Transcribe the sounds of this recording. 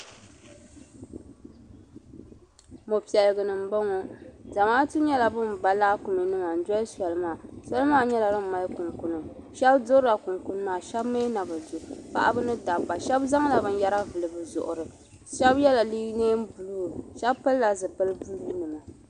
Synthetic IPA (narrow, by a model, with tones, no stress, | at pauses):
mo˨pi˨ɛ˨lɨ˨ɡɨ˨nɨ˨m̩˨˦ba˦ŋɔ˦za˨maː˦tu˦ɲɛ˦la˨bɨ˦mba˨˦la˦ku˨me˨nɨ˦ma˨n̩˦dɔ˦sɛ˨lɨ˦maː˦˨sɛ˦lɨ˦maː˦˨ɲɛ˦la˨ɾɨ˦m˨ma˨lkʊ˨ŋkʊ˨nɨ˨ʃɛ˦bdʊ˦ɾa˨kʊ˨ŋkʊ˨n˦maː˨ʃɛ˦bme˦na˨bɨ˨du˨pa̰˨ʔa̰˦bɨ˦nɨ˦da˨bːa˨ʃɛ˦bza˦ŋ˦la˨bɨ˦n˦ja˦ɾa˦vɨ˨lɨ˨bɨ˨zʊ˨ʔʊ˨ɾɨ˨ | ʃɛ˦bjɛ˦la˨li˦neː˦m˦bu˨lu˦˨ʃɛ˦bpɨ˦lla˨zɨ˨pɨ˦lɨ˦bu˦li˦nɨ˨ma˨